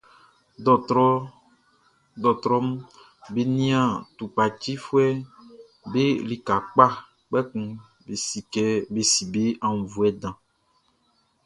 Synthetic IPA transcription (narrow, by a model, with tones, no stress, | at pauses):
dɔ˨tɾɔ˦ | d̪ɔ˨t̪ɾɔ˦m˦ | be˨nĩ˦ã˦t̪u˨pa˨t͡ʃi˦fu˦ɛ˦ | be˦li˨ka˨k͡pa˦ | k͡pɛ˦kũ˦ | be˨si˨kɛ˦be˨si˨be˦ã˨ŋũ˨vu˨ɛ˦dã˨